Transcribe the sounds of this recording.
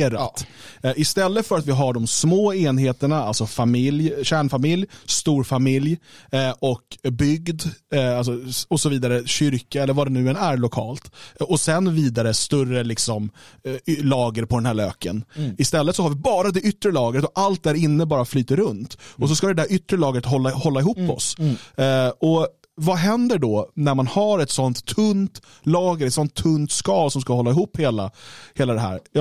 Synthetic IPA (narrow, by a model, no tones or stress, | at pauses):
ɾat̪ʔɪst̪ɛlːət̪fœɾat̪vɪɦaɖɔmsmoːeːnɦeːt̪əɳaalsɔfamɪljɕæːɳfamɪljst̪uːɾfamɪljʔɔkbʏɡd̪alsɔɔsɔviːd̪aɾəɕʏɾkaɛlːəɾvad̪ɛnʉ̟ːɛnæɾɭʊkʰɑ̰ːlt̪ɔsɛnviːd̪aɾəst̪ɵrəlɪksɔm | lɑːɡəɾpʰɔd̪ɛnhæːɭøːkənɪst̪ɛlːət̪sɔhaɾvɪbɑːɾad̪ɛʔʏt̪ːɾəlɑːɡɾət̪ɔʔalt̪̚d̪æɾɪnːəbɑːɾaflyːt̪əɾɾɵnt̪ɔs̬ɔskad̪ɛd̪æɾʏt̪ːɾəlɑːɡɾət̪ɦɔlːahɔlːaɪɦuːpːɔ̰s | ɔ | vaɦɛnd̪əɖɔnæɾmanhaɾɛt̪sɔnt̪ʰːɵnt̪ | lɑːɡəɾɛt̪sɔnt̪ʰːɵnt̪skɑːlsɔmskahɔlːaɪɦuːpheːlaheːlad̪ɛɦæ̰ːɾjɑ